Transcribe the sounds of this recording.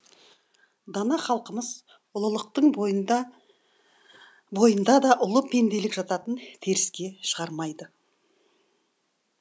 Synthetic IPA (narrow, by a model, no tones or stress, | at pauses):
d̪ɑnɑχɑlˠqəməz | ʊlˠəlˠəq̚t̪əɴ | bo̞jənd̪ɑd̪ɑʔʊlˠəpʰe̞nd̪e̞lɪkʒɑt̪ɑt̪ənt̪ʰe̞ɾɪskʲe̞ʃəʁɑɾmɑjd̪ə